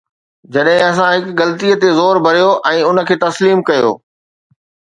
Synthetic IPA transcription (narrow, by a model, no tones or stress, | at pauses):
d͡ʑɐɗɦɪ̃ɐs̬ãɦɪkɣɐlt̪ijət̪ezoːɾbʱɐɾijoʔɛ̃ːʊnə̆kʰeːt̪ɐsliːmkɐjo̰ː